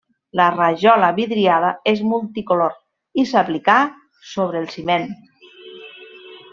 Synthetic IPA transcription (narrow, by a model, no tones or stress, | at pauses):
laraʒɔlaβiðɾiaðaezmulˠt̪ikoloɾ | isaplika | soβ̞ɾelˠsimen